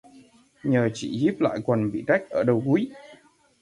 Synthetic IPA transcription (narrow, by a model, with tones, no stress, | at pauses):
ɲəː˨˩t͡ɕḭ˧˩˨zi˦˥p̚la̰ː˧˨jkwə˨˩nɓḭ˧˨t͡ɕa˦˥jk̟̚ʔəː˧˩ɗə˨˩wku˨˦j